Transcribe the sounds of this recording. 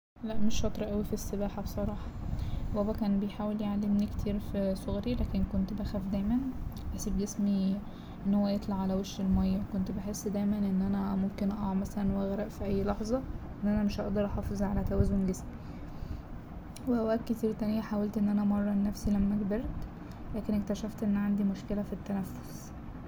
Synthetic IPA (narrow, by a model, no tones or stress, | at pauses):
læʔmeʃfɑt̪ˤɾʔæwifisːebæːħɑbsˤɑɾˤɑːħɑ̥wæbækæːnbejħaːweljeʕalːemnikt̪ʰiːɾfisoɣɾilæːkenkont̪bæxæfd̪æjmænħæsibɡesmi | ʔenːhowːæjet̪ˤlɑʕalæweʃɾelmæjːækont̪beħesːd̪æjmænʔenːʔænæmomkenʔæːmæsælænwæɣɾæʔfiʔæjːlɑħzˤɑʔʔenːʔænæmeʃʔɑʔd̪ɑɾˤʔɑħɑːfezˤʕalæt̪æwæzːomɡesmi | weʔæwʔæk̪kːet̪iːɾt̪ænejæħaːwælt̪ʔenːʔænæmɑrˤːɑnːæfsilæmːæɡb̪eɾt̪ | læːkenekt̪æʃæft̪ʔenːʕand̪imoʃkelæfit̪ːænæfːo̥s